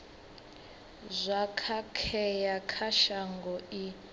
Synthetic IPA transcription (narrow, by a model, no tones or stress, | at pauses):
zʷakʰakʰɛjakʰaʃaŋɡɔi